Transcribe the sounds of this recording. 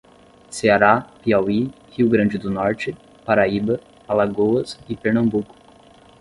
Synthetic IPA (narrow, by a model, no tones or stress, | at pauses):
seaɾapiawi | hiwɡɾɐ̃d͡ʒɪd̪ʊnɔɾt͡ʃɪ | paɾaibɐ | alaɡoɐsɪpeɾnɐ̃mbukʊ̥